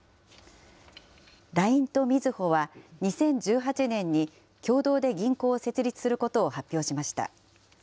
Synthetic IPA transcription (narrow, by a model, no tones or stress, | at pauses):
d̪aĩnt̪o̞mʲizɨho̞βaɲ̟isẽ̞ɲ̟d͡ʑɨːɦat͡ɕinẽ̞ɲ̟ːi | kʲo̞ːd̪o̞ːd̪e̞ɡʲĩŋko̞ːse̞t͡sɨɾʲit͡sɨ̥sɨɾɯ̟ko̞t̪o̞ːhapʲːjo̞ːɕimaɕi̥t̪a̰